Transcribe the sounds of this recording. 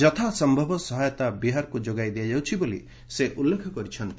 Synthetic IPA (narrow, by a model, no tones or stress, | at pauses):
d͡ʒɔt̪ʰasɔmbʱɔbʱɔsɔɦajɔt̪abiɦaɾkud͡ʒoɡajd̪iad͡ʒawt͡ʃʰibolḭ | seʔulːekʰɔkɔɾit͡ʃʰʌnt̪i